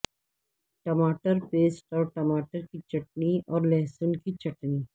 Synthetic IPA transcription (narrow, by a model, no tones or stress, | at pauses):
ʈɐmaːʈəɾpeːsʈɔːɾʈɐmaːʈəɾkit͡ʃɐʈniɔːɾlɛːsənkit͡ʃɐʈniː